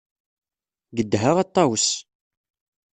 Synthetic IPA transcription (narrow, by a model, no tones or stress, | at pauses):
ɡəd̪ːɦaʁɑt̪ˤːɑwəs